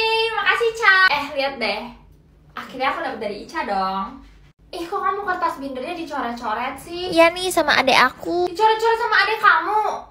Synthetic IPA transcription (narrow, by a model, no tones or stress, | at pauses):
ɪmakasit͡ʃaɛhliat̪̚dɛh | ʔakirɲaakudapət̪̚dadiːt͡ʃadɔŋ | ihkukamukərt̪asbindərɲadit͡ʃoɾɛt̪̚t͡ʃoɾɛt̪̚sɪhjanihsamaʔa̰daʔakudit͡ʃoɾɛt̪̚t͡ʃɔɾɛt̪̚samaːdakamu